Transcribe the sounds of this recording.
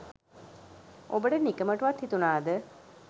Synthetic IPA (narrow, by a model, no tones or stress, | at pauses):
obəɖənikəməʈuʋɐt̪hit̪unaːd̪ə